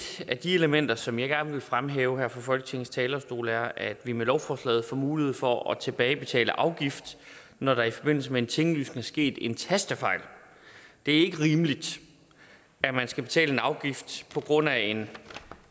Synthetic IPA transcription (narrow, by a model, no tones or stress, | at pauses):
d̥æd̥ie̝ləmen̰d̥ɐsɒ̽mjɑ̈ɪɡ̥æɐnʋe̝lfʁamɦeːʊəhæɐ̰fɒfɒ̽lɡ̥ə̥t͡sʰe̝ŋn̩st͡sʰɛːlɐsd̥o̝̰ːləæɐæd̥ʋimelɒʊfɒːslɛ̰ːð̩ˠfɒmuːliheð̩̰ˠfɒɒt͡sʰe̝b̥ɛːɪb̥e̝t͡sʰɛ̰ːləʔɑ̈ʊɡ̥ifd̥ | nɒɾɑ̈ifɒ̽b̥e̝n̰l̩səmee̝nt͡sʰe̝ŋəlyːsneŋæɐsɡ̥e̝̰ːd̥e̝nt͡sʰæsd̥əfɑ̈ɪ̰l | d̥e̝æɐe̝ɡ̥əʁiːməlid̥ | æmænsɡ̥æb̥e̝t͡sʰɛ̰ːle̝nɑ̈ʊɡ̥ifd̥pʰɒ̽ɡ̥ʁɔ̽n̰æe̝n